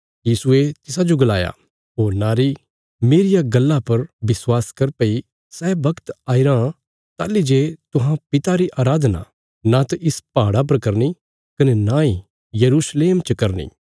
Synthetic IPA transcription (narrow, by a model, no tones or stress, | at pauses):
jiːsʊet̪ɪsad͡ʒoɡɐla̰ːja̰ | ɦoːɾnaːɾi | meːɾɪjaɡɐlːapɐɾbɪswaːskɐɾpɐi | sɛːbɐkt̪aːiɾã | t̪a̰ːlːid͡ʒeːt̪ʊɦãpɪt̪aɾiʔaːɾaːd̪ʱna̰ | nat̪ɐʔɪspaːɽap̬ɐɾkɐɾni | kɐnɛnãːi | jɐɾuːsleːmt͡ʃɐkɐɾnḭː